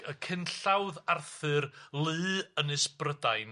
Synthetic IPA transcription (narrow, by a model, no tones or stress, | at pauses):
əkʰɪnɬawðarθɨrlˠɨːənɨsprədajn